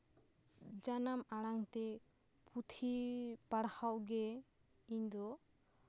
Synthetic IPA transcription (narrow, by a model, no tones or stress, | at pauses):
d͡ʒanamaɽ̃aŋt̪ɛ | put̪ʰipaɽhawɡɛ | iɲd̪ɔ